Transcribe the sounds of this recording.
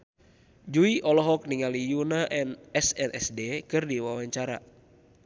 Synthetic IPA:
d͡ʒuiʔɔlɔɦɔk̚niŋalijunaʔɛnɛsɛnʔɛsdɛkɨrdiwawaɲt͡ʃaɾa̰

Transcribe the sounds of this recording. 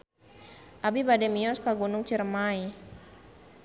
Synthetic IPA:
ʔabibadɛmiɔskaɡunʊŋt͡ʃirmai

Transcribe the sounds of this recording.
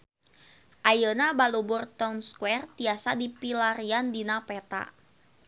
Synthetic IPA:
ʔajənabalubʊrt̪ɔwnskwɛrt̪iasadipilaɾiandinapɛt̪a̰

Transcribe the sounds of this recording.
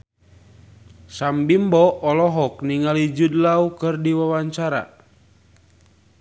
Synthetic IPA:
sambimbɔːlɔɦɔk̚niŋalid͡ʒudlaukɨrdiwawaɲt͡ʃaɾa̰

